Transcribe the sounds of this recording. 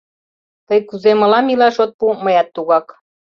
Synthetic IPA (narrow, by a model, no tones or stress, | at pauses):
t̪əjkuzemɤ̆lɑmilɑʃot̪̚puməjɑt̪ːuɣɑk